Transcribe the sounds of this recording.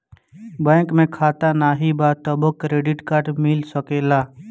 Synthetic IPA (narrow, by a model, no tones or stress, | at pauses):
bɛ̃ːkmẽkʰaːt̪anaːɦibaːt̪əbəkːɾeːɖɪʈkaːɾʈmɪlsəkeːlaː